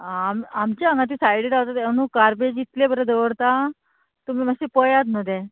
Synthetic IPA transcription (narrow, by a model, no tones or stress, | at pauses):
amamt͡ɕaəŋɡat̪̬iːsajɽiɾawt̪at̪enukaɾbed͡ʑit̪lebəɾəd̪əʋəɽt̪a | t̪umiːməsepəjat̪nəd̪ẽ